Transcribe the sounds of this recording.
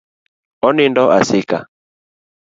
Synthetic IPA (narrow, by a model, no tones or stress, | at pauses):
ɔnindɔʔasika